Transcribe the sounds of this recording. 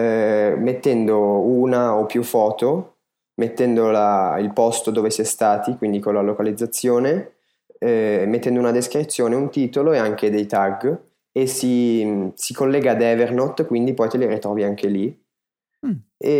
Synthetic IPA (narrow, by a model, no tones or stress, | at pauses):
met̪ːɛnd̪ouːnaopːjufɔːt̪o | met̪ːɛnd̪olailpɔst̪od̪oːvesiɛst̪aːt̪ikwind̪ikolalokalid̪zːat̪sːjoːne | met̪ːɛnd̪ounad̪iskɾit̪sːjoːneunt̪iːt̪oloeaŋk̟ed̪ejt̪aɡ | esisikolːɛːɡaːd̪ɛːvernot̪ːkwind̪ipɔjt̪eliɾit̪ɾɔːviaŋk̟eli | e